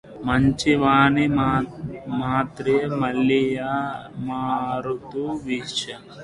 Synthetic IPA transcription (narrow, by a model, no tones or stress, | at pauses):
mɐɲt͡ʃiʋaːni | maːt̪ɾeːmɐlːijamaːɾut̪uʋiʃɐ